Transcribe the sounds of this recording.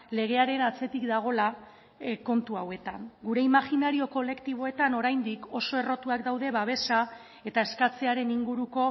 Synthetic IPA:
le̞ɣ̞e̞aɾe̞nat͡se̞t̪ikd̪aɣ̞o̞la | ko̞nt̪uawe̞t̪aŋɡuɾe̞imaxinaɾio̞ko̞le̞kt̪iβ̞o̞e̞t̪ano̞ɾajnd̪iko̞so̞e̞ro̞t̪uakd̪awðe̞βaβ̞e̞sa | e̞t̪ae̞skat͡se̞aɾe̞niŋɡuɾuko̞

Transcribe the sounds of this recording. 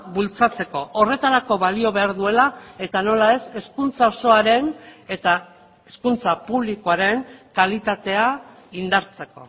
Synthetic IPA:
bult͡sat͡se̞ko̞ʔore̞t̪aɾako̞βalio̞βe̞aɾðue̞lae̞t̪ano̞lae̞se̞skunt͡sao̞so̞aɾe̞ne̞t̪a | e̞skunt͡sapuβ̞likoaɾe̞ŋkalit̪at̪e̞a | ind̪aɾt͡se̞ko̞̰

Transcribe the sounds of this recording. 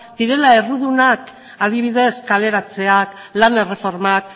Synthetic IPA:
d̪̥iɾe̞lae̞ruðunak | aðiβiðe̞skale̞ɾat͡se̞ak | lane̞re̞fo̞ɾmak̚

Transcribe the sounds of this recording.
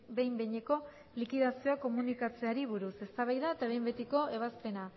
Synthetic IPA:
be̞jmbejɲe̞ko̞ | likiðasio̞ako̞munikat͡se̞aɾiβ̞uɾuse̞st̪aβajðaet̪aβe̞jmbe̞t̪iko̞eβaspe̞na

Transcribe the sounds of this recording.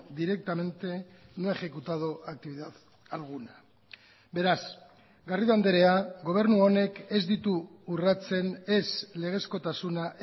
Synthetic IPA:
d̪iɾe̞k̚t̪ame̞nt̪e̞ | no̞e̞xe̞kut̪að̞oʔak̚t̪iβiðað | alɣ̞una | be̞ɾas | ɡariðoand̪eɾe̞aɡo̞β̞e̞ɾnuo̞ne̞ke̞zd̪it̪uːrat͡se̞ne̞sle̞ɣ̞e̞sko̞t̪asunaʔ

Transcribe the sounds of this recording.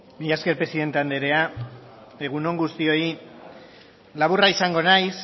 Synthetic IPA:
mijaske̞ɾpɾe̞siðe̞nt̪eand̪eɾe̞a | e̞ɣ̞uno̞ŋɡust̪io̞i | laβuraisaŋɡo̞najs

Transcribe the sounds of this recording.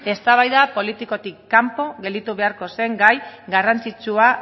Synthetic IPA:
e̞st̪aβajðapo̞lit̪iko̞t̪ikːampo̞ɣe̞ld̪it̪uβe̞aɾko̞se̞ŋɡajɡarant͡sit͡ʃua

